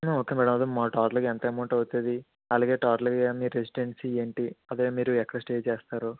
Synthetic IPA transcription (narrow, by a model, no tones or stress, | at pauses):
noːkemiːɽɐmɐd̪umaːʈaːɾlɐkɛnt̪emɐːɳʈɐʋt̪ːed̪i | ɐlaːɡeːʈaːɾlɐkmiɾesiɖeɳsie̞ːɳʈiɐd̪eːmiːɾuɛkːɐɽɐsʈe̞ːd͡ʒt͡ʃeːst̪aːɾu